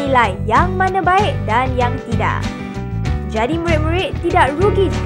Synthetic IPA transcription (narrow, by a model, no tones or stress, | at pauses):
ilajjaŋmãnãbaɪk̚danjaŋt̪ida̰ʔ | d͡ʒadiməɹɪt̪̚məɹɪʔt̪ːidaʔɹuɡis